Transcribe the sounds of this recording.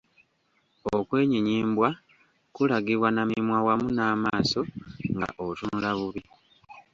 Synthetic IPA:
okwe̞ːɲiɲiːmbwa | kulaɡiβwanamimwawamunaːmaːso̞ŋɡa̰ʔotunulaβuβi

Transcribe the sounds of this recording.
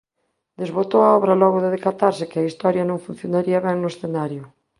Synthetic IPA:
d̪ezβot̪owaɔβɾalɔɣʊðeðekat̪aɾsɪkɪaist̪ɔɾjɐnõŋfun̟θjonaɾiɐβɛŋnʊesθenaɾjʊ

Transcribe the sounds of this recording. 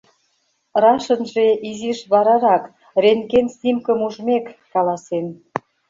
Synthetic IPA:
rɑʃə̆nʒeʔiziʃβɑɾɑɾɑk | renkenst̪imkə̆muʒmekːɑlɑsen

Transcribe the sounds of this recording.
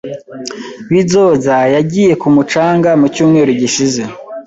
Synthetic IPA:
βizo̞ːzajaɟiːje̞kumut͡ʃaːŋɡamucuːmŋe̞ːɾuɟiʃize

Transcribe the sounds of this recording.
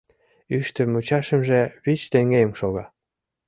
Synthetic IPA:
yʃt̪əmut͡ɕɑʃə̆mʒeβit͡ɕt̪eŋɡejəmʃoɣɑ

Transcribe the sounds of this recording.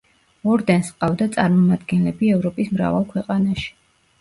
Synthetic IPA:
ɔɾd̪ɛnsqʼavd̪at̪sʼaɾmɔmad̪ɡɛnlɛbiɛvɾɔpʼismɾa̰valˠkʰwɛqʼanaʃi̥

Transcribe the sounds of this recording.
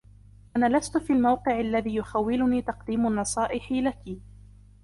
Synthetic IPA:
ʔanaːlast̪ʊfiːlmawqɨʕalːaðiːjʊxawːɪlʊniːt̪ɑqd̪iːmʊnːɑsˤɑːʔɪħilaki

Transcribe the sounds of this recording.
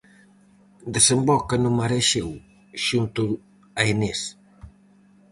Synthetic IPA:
d̪esembɔkɐnumaɾeʃew | ʃunt̪u | ɐenes

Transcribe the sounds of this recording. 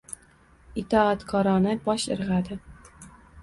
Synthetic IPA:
ɪt̪ʰɒat̪kʰɒɾɒnɪbɒʃɪ̰ɾʁad̪ɪ

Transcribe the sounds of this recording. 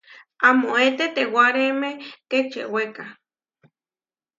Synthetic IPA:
amoet̪et̪ewaɾemek̪ekt͡ʃḛweka

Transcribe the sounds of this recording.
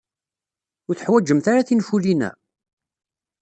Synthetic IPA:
ʊɾθəħwæd͡ʒəmθaɾaθinfulinæ̰

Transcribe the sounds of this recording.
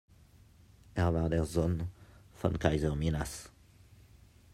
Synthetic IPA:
ɛʁvaʁd̪ɛʁzɔnfa̰nkajzəʁminas

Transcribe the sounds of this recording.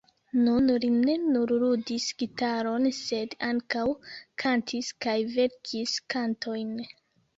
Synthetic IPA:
nunline̞nuɾɾudisɡ̥itaɾo̞nse̞daŋkawkʰantʰiskajve̞ɾkʰiskantʰo̞jn

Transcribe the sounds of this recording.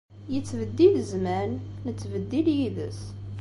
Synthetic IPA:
jət͡sːvəd̪ːiðəzmænːət͡sːvəd̪ːiljiðəs

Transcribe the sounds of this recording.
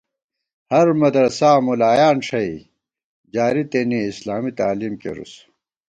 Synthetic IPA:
hɐɾmɐd̪ɾɐsaːmulaːjaːnʂɐi | d͡ʑaːɾit̪eniislaːmit̪aːliːmkḛɾṵs

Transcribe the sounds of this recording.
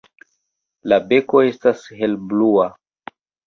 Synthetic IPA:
labe̞ko̞e̞stashe̞lblua

